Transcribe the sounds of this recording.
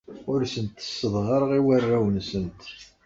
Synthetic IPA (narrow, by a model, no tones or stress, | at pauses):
ʊɾsənt̪ːə̥sːəðʁəɾʁiwərːæwənsənt̪